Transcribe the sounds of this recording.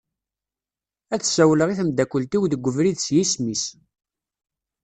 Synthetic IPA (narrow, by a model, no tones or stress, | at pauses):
æθsæwləʁiθəmd̪ækʷːəlt̪iwðəɡʷːəvɾiðsjismis